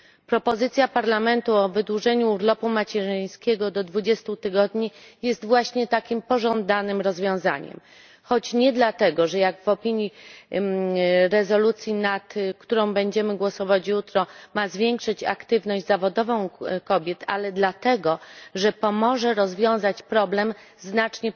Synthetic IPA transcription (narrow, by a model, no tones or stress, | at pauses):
pɾɔpɔzɘt̪sʲjapaɾlamɛnt̪uɔvɘd̪wuʐɛɲuuɾlɔpumat͡ɕɛʐɘj̃skʲɛɡɔd̪ɔd̪vud͡ʑɛst̪ut̪ɘɡɔd̪ɲijɛst̪vwaɕɲɛt̪akʲimpɔʐɔ̃nd̪anɘmɾɔzvʲjɔ̃w̃za̰ɲɛ̰m | xɔt͡ɕɲɛd̪lat̪ɛɡɔʐɛjaɡvɔpʲiɲi | ɾɛzɔlut̪sʲjinat̪kt̪uɾɔ̃w̃bɛɲd͡ʑɛmɘɡwɔsɔvat͡ɕjut̪ɾɔmazvʲjɛŋkʂɘt͡ɕa̰kt̪ɘvnɔʑd͡ʑzavɔd̪ɔvɔ̃w̃kɔbʲjɛt̪a̰lɛd̪lat̪ɛɡɔʐɛpɔmɔʐɛɾɔzvʲjɔ̃w̃zat͡ɕpɾɔblɛm | znat͡ʂɲɛ